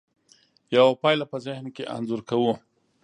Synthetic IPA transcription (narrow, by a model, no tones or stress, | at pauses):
jawapɑjlapəzɪhnkeʔa̰nzʊɾkawu